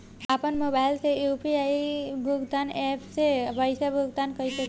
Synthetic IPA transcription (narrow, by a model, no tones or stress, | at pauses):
apənmobajlseupiajbʱuɡd̪anepsebəjsabʱuɡ̚d̪ankəjsək